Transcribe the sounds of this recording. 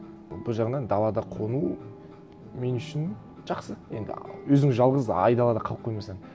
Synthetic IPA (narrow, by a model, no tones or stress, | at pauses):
bʊlˠʒɑʁd̪ɑnd̪ɑlˠɑd̪ɑqʰonu | me̞nʏʃɪn | ʒ̥ɑqsəje̞̰nd̪ɪ̰wɵzɪŋʒɑlˠʁəzɑ̰jd̪ɑlˠɑd̪ɑqʰɑlˠəp̚qʰːojmɑsɑɴ